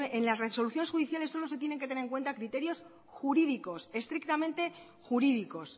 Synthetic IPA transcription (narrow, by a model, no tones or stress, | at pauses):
ʔenlasreso̞luθjonesxuðiθjalesːo̞lo̞se̞t̪je̞ne̞ŋket̪eneeŋkwe̞nt̪akɾit̪e̞ɾjo̞s | xuɾiðiko̞se̞st̪ɾik̚t̪amẽ̞nt̪e̞ | xuɾiðiko̞s